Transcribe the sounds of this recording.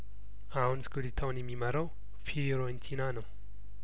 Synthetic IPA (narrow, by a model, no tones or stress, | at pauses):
ahunskulit̪ʰawnjɛmːiməɾaw | fiɾont̪ʰinanəw